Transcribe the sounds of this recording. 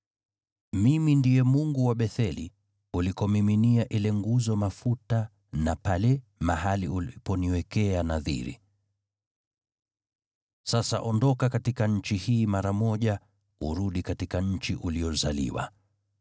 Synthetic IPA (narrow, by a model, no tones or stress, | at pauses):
mimindijɛmuŋɡuwaɓɛθɛlḭ | ulikɔmiminiaʔilɛŋɡuzɔmafuta | napalɛmaɦaliʔulpɔniwɛkɛanaðḭɾḭ | sasa̰ʔɔndɔkakatikaɲ̩t͡ʃihiːmaɾamɔʄa | ṵɾuɗikatikaɲ̩t͡ʃiʔuliɔzalḭwa̰